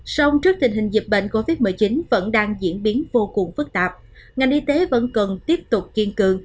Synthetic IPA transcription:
sa˧wŋ͡mt͡ɕɨ˦˥ək̚t̪ï˨˩ŋ̟ɦï˨˩ŋ̟zi˨˩p̚ɓḛ˧˨nko˧vi˦˥t̚mɨ˨˩jt͡ɕi˨˦nvə̰˧˥nɗaː˧ŋzḭ˧˥ənɓi˨˦ənvo˧kʊ˨˩ŋ͡mfɨ˦˥k̚t̪aː˨˩p̚ | ŋa˨˩jnʔi˧t̪e˨˦və̰˧˥nkə˨˩nt̪i˦˥əp̚t̪ʊ˨˩k͡p̚ki˧ənkɨ˨˩əŋ

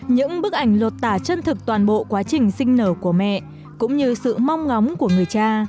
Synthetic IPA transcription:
ɲɨ̰˧˥ŋɓɨ˦˥k̚ʔa˧˩jŋ̟lə˨˩t̚t̪aː˧˩t͡ɕə˧nt̪ʰɨ˨˩k̚t̪waː˨˩nɓo̰˧˨kwaː˨˦t͡ɕï˨˩ŋ̟sï˧ŋ̟nəː˧˩ku˧˩əmɛ̰˧˨ʔ | kʊ̰˧˥ŋ͡mɲɨ˧sɨ̰˧˨ma˧wŋ͡mŋa˨˦wŋ͡mku˧˩əŋɨ˨˩əjt͡ɕaː˧

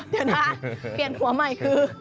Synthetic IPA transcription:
t̪ɛ˨˩ntʰaː˧˩pi˨˩ənhu˨˩˦ɐma˨˧˩jkʰɯː˧

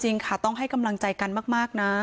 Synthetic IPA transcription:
t͡ɕi˧ŋkʰa˥˩t̪ɔ˥˩ŋɦa˥˩jka˧mla˧ŋt͡ɕa˧jka˧nmaː˥˩k̚maː˥˩k̚na˦˥

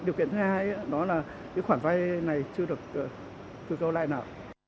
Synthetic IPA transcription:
ɗi˨˩əkḭ˧˨ənt̪ʰhaː˧ja˨˧˦ɗɔ˨˦laː˨˩ | kɨ̰ː˨˦xwaː˧˩nva˧jna˨˩jt͡ɕɨ˧əɗɨ˨˩ək̚ː | t̪ɨ˧kə˧wla̰ː˧˨jnaː˨˩w

